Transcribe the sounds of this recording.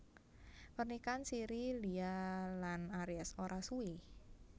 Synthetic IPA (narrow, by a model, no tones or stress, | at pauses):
pərnikansiɾilialanaɾiasoɾʔasui